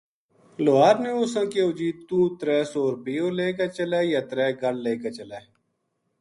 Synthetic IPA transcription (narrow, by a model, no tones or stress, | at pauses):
loːaːɾneːʊsãːkeːʊd͡ʒiːt̪t̪ːũːt̪ɾɛːsoːɾbiːoːleːkeːt͡ʃəlɛːjaːt̪ɾɛːɡəɽleːket͡ʃəlɛː